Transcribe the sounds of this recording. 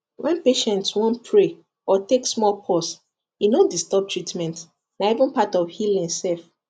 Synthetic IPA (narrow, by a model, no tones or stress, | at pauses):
wʔɛ̃npeʃɛ̃ntswɔ̃ntpʰɹe | ɔteksmɔlpʰɔs | inõndistɔb̚tɹitmɛ̃nt | naivə̃npatɔvhilɛ̃nsɛlf